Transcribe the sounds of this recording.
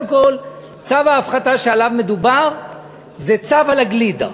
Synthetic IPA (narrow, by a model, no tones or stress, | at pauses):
mko̞l | t͡savaːfχat̪aʃealavme̞d̪ubaʁ | zet͡savalaɡlid̪a̰